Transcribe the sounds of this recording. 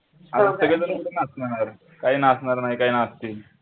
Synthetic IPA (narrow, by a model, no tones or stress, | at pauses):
at̪asəɡɭet̪əɾməʈənasnanaɾ | kaɦiːnasnaɾnaɦikaɦinast̪i